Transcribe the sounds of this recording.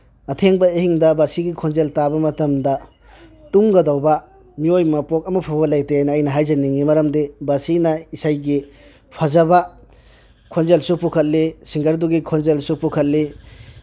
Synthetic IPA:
ɐtʰeŋbɐehiŋdɐbasiɡikʰonzeltabɐmɐtɐmdɐ | tuŋɡɐdawbɐ | miojmɐpok̚ɐmɐpʰabɐlajteajnɐːjnɐɦajzɐniŋimɐɾɐmdebasinɐisajɡi | pʰazɐbɐ | kʰonzelsupukʰɐt̚lisiŋɡɐɾduɡikʰonzelsupukʰɐt̚li

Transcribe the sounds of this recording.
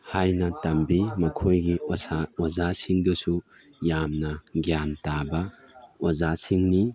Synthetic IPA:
hajnɐtɐmbimɐkʰojɡiozasiŋdɐsu | jamnɐɡjantabɐozasiŋni

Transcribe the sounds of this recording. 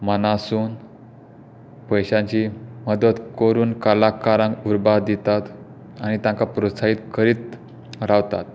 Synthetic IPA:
mənasuːn | pəjɕãɲt͡ɕiməd̪ət̪kəɾuːnkalakaɾãŋɡuɾbad̪it̪at̪ | anit̪jãŋkapɾosaiːt̪kʰəɾiːt̪ | ɾaʋt̪a̰t̪̚

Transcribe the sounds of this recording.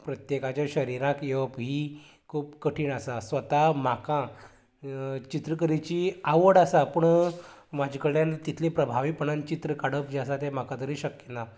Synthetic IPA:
pɾət̪jekat͡ɕjaɕəɾiɾãkjeʋəpɦiː | kʰuːpkəʈʰiːɳasasʋət̪am̤akã | t͡ɕit̪ɾəkəɾit͡ɕiːaʋəɽasapəɳmad͡ʑʱkəɽjant̪it̪ʰlepɾəbʱaʋiːpəɳənt͡ɕit̪ɾəkaɽəp̚d͡ʑasat̪em̤akat̪əɾiːɕəkjət̪a

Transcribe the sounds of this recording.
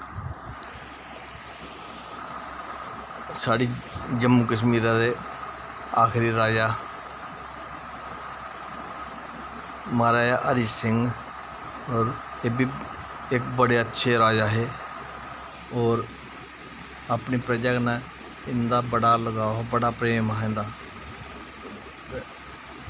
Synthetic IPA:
saːɽiːd͡ʒəmːuːkəʃmiːɾãːd̪eː | aːkʰɾiːɾaːd͡ʒaː | maːɾaːjaːʔəɾisɪŋɡ | ɔːɾeːbiː | ɪk̚bəɽeːətːʃʰeːɾaːd͡ʒaːɦeː | ɔːɾ | aːpniːpɾəd͡ʒakna | ɪnd̪aːbəɽaːləɡaːbəɽaːpɾeːmaːɦẽːnd̪aː | t̪e

